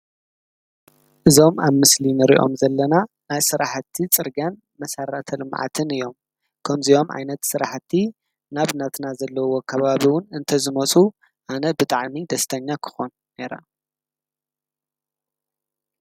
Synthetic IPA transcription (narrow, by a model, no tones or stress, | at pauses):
ʔɨzo̞maβmɨslinɨɾḭʔo̞̰mzɐlːɐna | najsɨɾaħt̪ʰːit͡sʼɨɾɡan | mɐsaɾat̪ʰɐlɨmʕa̰t̪ʰɨnɨjo̞m | kʰɐmzijo̞mʕa̰jnɐt̪sɨɾaħt̪ʰːi | naβnat̪ʰnazɐlːɐwo̞kʰɐβaβiwʊnɨnt̪ʰɐzɨmɐt͡sʼu | ʔanɐbɨt̪ʼaʕmid̪ɐst̪ʰɐɲːakʰɨ̥xo̞n | ne̞ɾa̰